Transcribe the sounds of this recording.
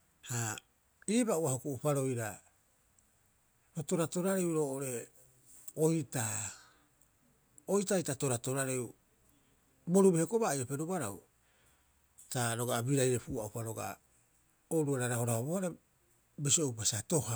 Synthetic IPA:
ha | iːbauahokuʔupaɾo̞jɾa | ɾoto̞ɾato̞ɾaɾewɾo̞ːʔoɾe̞ | ojta | ojtajtato̞ɾato̞ɾaɾew | bo̞ɾubehekobajope̞ɾubaɾaw | taɾo̞ɡabiɾajɾe̞puaupaɾo̞ɡa̰ | oɾuaɾaɾaho̞ɾaobohaɾe | besiowpasato̞ha

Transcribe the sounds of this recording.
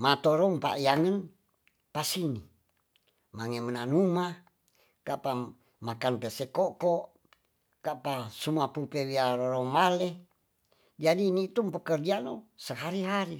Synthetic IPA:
mat̪oɾompa̰ʔjaŋən | pasini | maŋemənanuma | kapa | makanpesekokoʔ | kapasumapupewiaɾoɾomale | d͡ʒadinit̪umpəkərd͡ʒanosəɦaɾiɦaɾi

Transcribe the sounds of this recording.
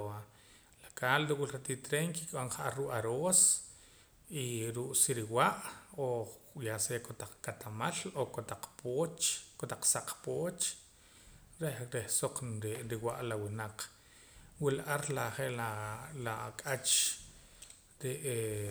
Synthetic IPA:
a | lakalɾuwulɾat̪it̪ɾeŋkikʼaŋχʔaɾuʔaɾoːs | iɾuʔsiɾiwaʔojasekot̪aq͡χkat̪amalokot̪aq͡χpot͡ʃkot̪aq͡χsaq͡χpoːt͡ʃ | ɾehɾehsoq͡χɾeɾiwaʔlawinaq | wilaʔaɾlaχeʔlalakʼat͡ʃ | ɾiʔe

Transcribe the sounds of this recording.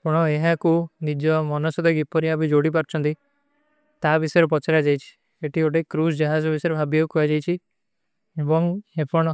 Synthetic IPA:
pɔɽ̃ɔeɦãkunid͡ʒɔmɔnɔsɔd̪ɔɡipɔɾiabid͡ʒoɽip̬aɾt͡ʃʰɔnt̪i | t̪abisɔjɾepɔt͡ʃaɾad͡ʒajt͡ʃʰi̥ | eʈioʈekːɾusd͡ʒaɦad͡ʒɔbisɔɾebʱabjeukɔad͡ʒajt͡ʃʰi | ebɔŋepɔɽ̃ɔ

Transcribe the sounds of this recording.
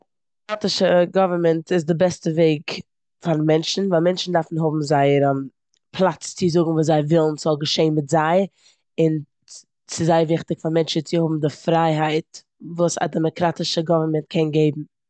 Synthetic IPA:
kɾatɪʃəɡɔvəɾmɛntʰɪs̬dɪbɛstəveɪk | faɾmɛnt͡ʃn̩vaɪlˠmɛnt͡ʃn̩daɾfn̩ɦʊbm̩zaɪɾm | pʰlˠat͡st͡sɪzʊɡŋ̩vuːszaɪvɪlˠn̩zɔlˠɡəʃeɪnmɪtzaɪ | ɪn | sɪzaɪvɪχtɪkfaɾmɛnt͡ʃət͡sɪhʊbm̩dɪfɾaɪɦaɪt | vuːsa̰dɛmɔkɾatɪʃəɡɔvəɾmɛnt̚kʰɛnɡeɪbm̩

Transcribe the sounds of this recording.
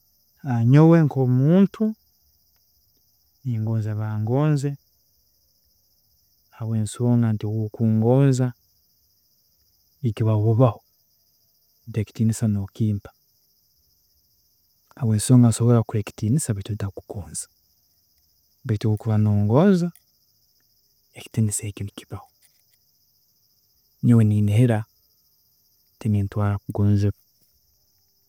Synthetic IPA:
aɲoweŋkomuːntʰu | niːŋɡoːnzeβaːŋɡoːnze | aβweːnsiβoːŋɡantiwukuːŋɡoːnza | ikiβaβuβaho | deki̥tiːnisanokiːmpḁ | aβweːnsoːŋɡansoβoɾakuɾeki̥tiːnisaβitudaku̥koːnzḁ | βituukuβanoːŋɡoːza | eki̥tinisekimukiβaho | noweniniheɾa | tiniːntwaːɾakuɡuːnzeβ

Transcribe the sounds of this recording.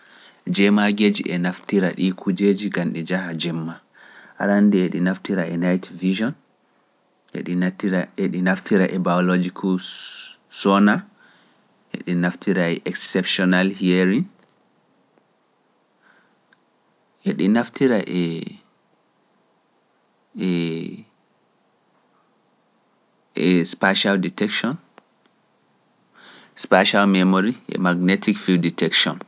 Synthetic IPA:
d͡ʒɛmaɡed͡ʒḭʔɛnaftiɾaɗikʰud͡ʒeːd͡ʒiɡanɗid͡ʒahad͡ʒɛmːa | ʔa̰ɾandiɛɗinaftiɾaɛnajtvid͡ʒɔn | ʔɛ̰ɗitiɾaeɗinaftiɾaʔɛbaɔlɔd͡ʒikʰu | sɔna | ʔɛ̰ɗinaftiɾaɛʔɛksɛpʃɔnalhieɾiŋ | ʔɛɗinaftiɾaʔɛ | ɛ | ʔɛspaʃalditɛkʃɔn | spaʃalmɛmoɾiʔɛ̰maɡnetʰikfilditʰɛkʃɔn

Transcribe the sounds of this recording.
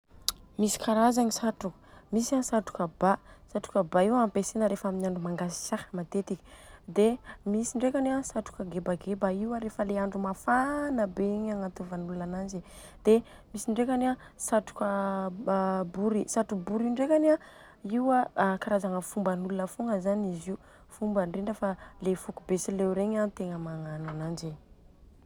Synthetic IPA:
misi̥kaɾazaɲisaʈ͡ʂuk | misasaʈ͡ʂu̥kəbasaʈ͡ʂu̥kəbaiwampesenəɾefaminiaɳɖ͡ʐumaŋɡasi̥sahəmat̪et̪ikʲi̥d̪emisiɳɖ͡ʐekanasaʈ͡ʂu̥kəɡebaɡebaiwaɾefəleaɳɖ͡ʐumafanəbeɲaŋat̪uvanulunananzi | d̪̥e | misiɳɖ͡ʐekana | saʈ͡ʂu̥kə | buɾisaʈ͡ʂubuɾiɳɖ͡ʐekana | iwakaɾazaŋəfumbanulunəfoŋəzaniziu | fumbəɳɖ͡ʐiɳɖ͡ʐəfalefukubesileɾeɲant̪eŋəmaŋananand͡ʒe

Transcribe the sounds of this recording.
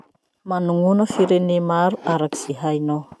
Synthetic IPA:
manuŋunəfiɾenemaɾuaɾaki̥z̥iɦajno

